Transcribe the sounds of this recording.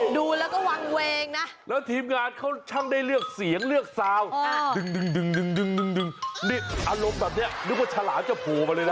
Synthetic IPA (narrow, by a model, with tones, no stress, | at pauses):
duː˧lɛː˦˥wkɔː˥˩wa˧ŋweː˧ŋna˦˥lɛː˦˥wt̪ʰiː˧mŋaː˧nkʰa˥˩wt͡ɕʰa˥˩ŋda˥˩jlɯ˥˩ək̚si˩˦əŋlɯ˥˩ək̚saː˧wdɯ˨˧ŋdɯ˧ŋdɯ˧ŋdɯ˧ŋdɯ˧ŋdɯ˧ŋdɯ˨˧ŋni˧˥˩ʔaː˧ɾo˧mbɛː˨˩p̚ni˦˥ɐn˦˥k̚waː˥˩t͡ɕʰaː˧laː˩˦mt͡ɕa˨˩pʰu˨˩ma˧lːjda˥˩